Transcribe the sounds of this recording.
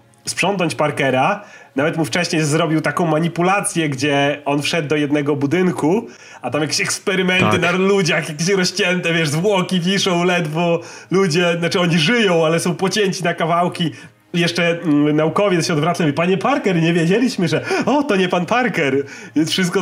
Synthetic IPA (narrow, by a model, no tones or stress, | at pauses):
spʂɔnt̪ɔɲt͡ɕpaɾkɛɾanavɛt̪muft͡ʂɛɕɲejzɾɔbʲiwt̪akɔ̃w̃maɲipulat̪sʲjɛɡd͡ʑɛɔnfʂɛd̪̚ːɔjɛd̪̚nɛɡɔbud̪ɘŋku | at̪amjakʲeɕɛkspɛɾɨmɛnt̪ɨnalud͡ʑaxjakʲeɕ̬ɾɔɕt͡ɕɛnt̪ɛvʲjɛʐzvwɔkʲipʲiʂɔ̃w̃lɛd̪vɔ | lud͡ʑɛnat͡ʂɨɔɲiʐɘjɔ̃w̃alɛsɔ̃w̃pɔt͡ɕɛɲt͡ɕinakavawkʲi | jɛʂt͡ʂɛnaukɔvʲjɛt̪sɕɛɔd̪vɾat̪savʲipaɲɛpaɾkɛɾɲɛvʲjed͡ʑelʲiɕmɘʐɛɔt̪ɔɲɛpanpaɾkɛɾjɛst̪fʂɘst̪kɔ